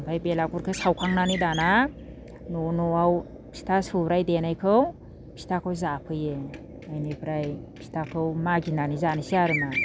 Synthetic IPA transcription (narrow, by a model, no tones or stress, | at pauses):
mpʰajbelakuɾkʰɯsawkʰaŋnanidana | nonɔaw | pʰi̥tʰasubɾajdenajkʰɯw | pʰi̥tʰakʰɯwzapʰɯje | ajnipʰɾajpʰi̥tʰakʰɯwmaɡinanizanisiaɾɯna